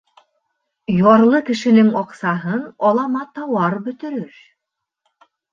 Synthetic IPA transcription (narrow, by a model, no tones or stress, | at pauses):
jɒɾlˠɤkɘ̆ʃɘ̆nɘŋɒqsɑɦɤnɒlˠɑmɑt̪ɑwɑɾbɵ̆t̪ɵ̆ɾɵɾ